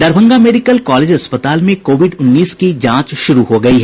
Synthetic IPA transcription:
d̪ɐɾbʱə̃ŋɡameːɖɪkəlkaːleːd͡ʒɐspət̪aːlmẽkoːʋɪɖʊnːiːskid͡ʒãːt͡ʃʃʊɾuɦoɡɐiɦɛ

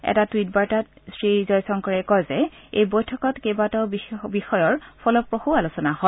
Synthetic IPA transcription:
ɛ̰tatwit̚baɹtatsɹizɔjsɔŋkɔɹɛkɔjzɛejbojtʰɔkɔtkebatɔbibixɔjɔɹpʰɔlɔpɹoxualusɔnaɦɔ

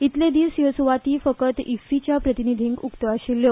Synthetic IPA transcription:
it̪led̪iʋsjosʋat̪iːfəkət̪ifit͡ɕjapɾət̪inid̪ʱiŋɡukt̪əʋaɕiljo

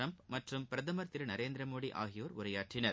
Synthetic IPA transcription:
ɐmpmɐʈrɯmpɪɾɐðɐmɐɾt̪ɪɾɯnɐɾeːnd̪ɾɐmoːɽiʔa̰ːɣɪjoːɾʊɾɐjaːʈrɪnɐɾ

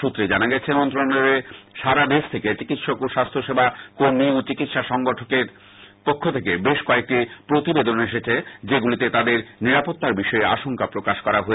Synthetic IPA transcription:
ut̪ːɾed͡ʑanaɡɛt͡ɕʰemɔnt̪ɾoneɾeʃaɾad̪eʃt̪ʰeket͡ɕikit̪ʃokoʃast̪ʰoʃebʱakoɾniut͡ɕikit̪ʃaʃɔŋɡoʈʰokeɾ | pokʰːot̪ʰekebeʃkoek̚ʈipɾot̪ibed̪oneʃet͡ɕʰed͡ʑeɡulit̪et̪ad̪eɾniɾapot̪ːaɾbiʃɔea̰ʃoŋkapɾokaʃkɔɾaɦoe

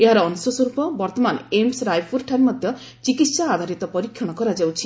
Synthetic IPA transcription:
eɦaɾɔːnsɔsɔɾupɔbɔɾt̪ɔmanemsɾajfʰuɾʈʰaɾmɔd̪ʱjɔ | t͡ʃikit̪saːd̪ʱaɾit̪ɔpɔɾikʰjɔɽ̃ɔkɔɾad͡ʒawt͡ʃʰi

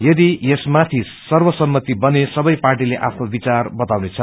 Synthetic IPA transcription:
jʌd̪ijesmat̪ʰi | sʌrwʌsʌmːʌt̪ibʌnesʌbʌjparʈ̬ileʔa̰pʰnobit͡sarbʌt̪awnet͡sʰʌ

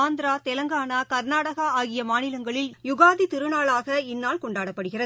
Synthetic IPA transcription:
aːnd̪ɾaːt̪ɛlɐŋɡaːnaːkɐɾnaːɽɐɣɐaːɣɪjɐmaːnɪlɐŋɡɐɭɪljʊɣaːðit̪ɪɾɯnaːɭaːɣɐɪnːaːlkɔɳɖaːɽɐpːɐɽɯɣɪrɐð

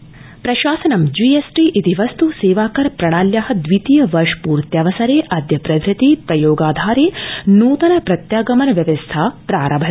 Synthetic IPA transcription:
pɾɐʃaːsɐnɐmd͡ʒiːesʈiːʔit̪iʋɐst̪useːʋaːkɐɾpɾɐɳ̃aːljɐɦɐd̪ʋit̪ijɐʋɐɾʂpuːɾt̪jɐʋɐsɐɾeːʔɐd̪ʱjɐpɾɐd̪ʱɾɐt̪ipɾɐjoːɡaːd̪ʱaːɾeːnuːt̪ɐnɐpɾɐt̪jaːɡɐmɐnɐʋjɐʋɐst̪ʰaːpɾaːɾɐbʱɐ

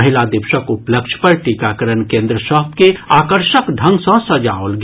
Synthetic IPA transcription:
əɦɪlad̪ɪbʃəkupləkʃʰpəɾʈikakəɾənkẽːnd̪ɾəsəɦt̪keaːkəɾʃəkɖʱə̃ŋɡsə̃səd͡ʒaːolɡ

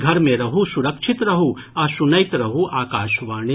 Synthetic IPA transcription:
ɡʱɐɾmẽɾɐɦusuɾɐkʃʰɪt̪ɾɐɦu | ɐsunɐɪt̪ɾɐɦuʔaːkaːʃʋaːɳ̃i

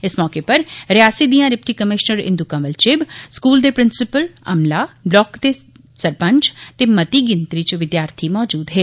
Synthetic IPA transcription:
ɪsmɔːkepɐɾɾɪjaːsid̪iːãɾɪpʈikəmɪʃnəɾɪ̰nd̪ukãməlt͡ʃeːbskuːld̪epɾɪnsɪpəlɐ̰mlablɔːkd̪e | sɐɾpə̃ɲt͡ʃt̪emɐt̪iɡɪ̃nt̪ɾit͡ʃʋɪd̪jaːɾt̪ʰimɔːd͡ʒuːd̪ɦeː

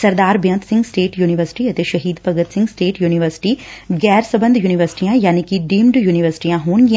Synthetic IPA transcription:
sɐɾd̪aːɾbjə̃nt̪sɪ̃ŋɡsʈeːʈjuːniʋəɾsɪ̥ʈiɐt̪eʃɐɦiːd̪pəɡət̪sɪ̃ŋɡsʈeːʈjuːniʋəɾsɪ̥ʈiːɡɛːɾsəbə̃nd̪ʱjuːniʋəɾsɪ̥ʈijãːjaːnikiɖiːmɖjuːniʋəɾsɪ̥ʈijãɦoːnɡi

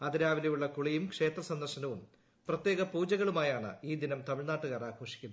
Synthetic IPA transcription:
ɐd̪iɾaːʋilɐjuɭːɐkuɭɐjumkʂe̞ːt̪rɐsɐnd̪ɐrʂɐnɐʋum | prɐt̪jeːɣɐpuːd͡ʑɐɣɐɭumaːjaːɳɨ̰iːd̪inɐmt̪ɐmiɭnaːʈːuɣaːraːkʰo̞ːʂikʲːunːɐ

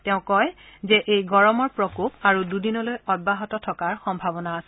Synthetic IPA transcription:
tɛʊ̃kɔjzɛʔejɡɔɹɔmɔɹpɹɔkopaɹududinɔlojɔd̚baɦɔtɔtʰɔkaɹxɔmbʱabɔnaːsɛ

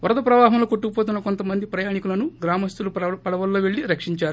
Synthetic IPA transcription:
ʋɐɾɐd̪ɐpɾɐʋaːɦɐmlo̞ːkoʈːuɡupoːt̪̬unːɐko̞nt̪ɐmɐnd̪ipɾɐjaːnikulɐnuɡɾaːmɐst̪ulupɐɽɐʋɐlːo̞ːʋeɭːiɾɐkʂiɲt͡ʃaːɾu

